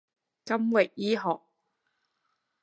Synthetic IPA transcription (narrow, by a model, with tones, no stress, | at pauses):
kɐ˥mwɪ˨k̚jiː˥ɦɔː˨k̚